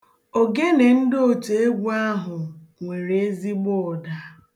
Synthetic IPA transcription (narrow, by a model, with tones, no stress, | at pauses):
o˨ɡe˦ne˨n̩˦do˨te˨e˦ɡʷu˦a˦ɦʊ˨ŋʷe˨ɾe˨e˦zi˦ɡ͡bʊ˦ɔ˨da˦